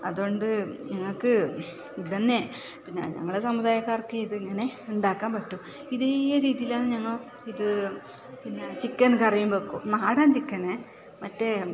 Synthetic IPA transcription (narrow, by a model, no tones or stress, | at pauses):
ɐðuoɳɖɨɲɐŋːɐɭkɨ | it̪ɐnːe | pinːḛɲɐ̰ŋːɐɭesɐmuðaːjɐkːaːrkːeiðɨiŋːɐne̞uɳɖaːkːaːmpɐʈːum | iðejɐɾiːðijilaːnɨɲɐŋːɐɭ | iðɨ | pinːet͡ɕikːɐnkɐrijumbokːṵnaːɽaːnt͡ɕikːɐne | mɐtːe